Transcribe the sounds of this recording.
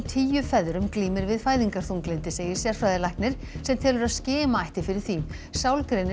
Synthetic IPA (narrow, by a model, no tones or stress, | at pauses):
t̪ʰiːjʏfɛðɾʏmkliːmɪɾvɪðfaːjðiŋkaɾ̥θuŋklɪnt̪ɪseːjɪɾ̥sjɛɾ̥fɾaːðɪlajhknɪɾ̥ | sɛmt̪ʰɛːlʏɾaðscɪːmaajht̪ɪfɪɾɪɾ̥θi | sawlkɾenː